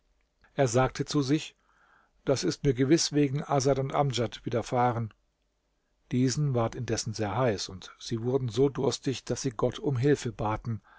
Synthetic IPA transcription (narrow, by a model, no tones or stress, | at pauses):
ʔeːɐzaːk̚tʰət͡suzɪç | d̥asɪstmiːɐɡəvɪsv̥eːɡŋ̩ʔazatʊntʔamd͡ʒatv̥iːdɐfaːʁən | d̥iːzn̩vaɐtɪndɛsn̩zeːɐɦaɪsʊntz̥iːvʊɐdn̩zoːdʊɐstɪçd̥asz̥iːɡɔtʰʊmɦɪlfəbaːtn̩